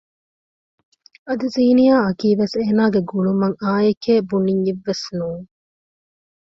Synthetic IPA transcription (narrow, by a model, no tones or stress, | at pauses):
ɐd̪uziːnijaːɐkiːʋeseːnaːɡeɡuɭumɐŋaːjekeːbuniɲiʋːesnuːŋ